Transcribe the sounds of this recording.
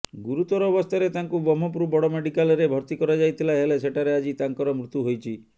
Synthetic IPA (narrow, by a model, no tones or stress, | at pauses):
ɡuɾut̪ɔɾɔːbɔst̪ʰaɾet̪aŋkubɔmɔpɾubɔɽɔmeɽikalɾebʱɔɾt̪ikɔɾad͡ʒajt̪ʰilaɦeleseʈaɾead͡ʒit̪aŋkɔɾɔmɾut̪uɦojt͡ʃʰi